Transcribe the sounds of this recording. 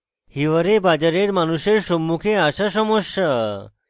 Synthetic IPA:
hiʋəɾebad͡ʑaɾeɾmanuɕeɾsomːukʰeaɕaɕɔmɔɕa

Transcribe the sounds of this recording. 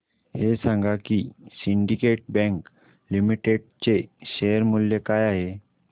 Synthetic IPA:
hesãŋɡakisiɳɖikeʈ̚bɛ̃ŋk | limiʈeɽ̚t͡seɕeəɾmulːjekajaɦe

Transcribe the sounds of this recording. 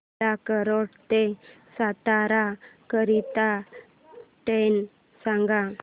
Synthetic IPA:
akəɾɔɽt̪e | sat̪aɾakəɾit̪a | ʈen | sãŋɡa

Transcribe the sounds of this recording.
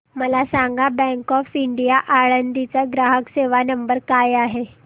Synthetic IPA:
məlasãŋɡabɛ̃ŋkɔfiɳɖijaʔaɭənd̪it͡saɡɾaɦəkseʋanəmbəɾkajaɦe

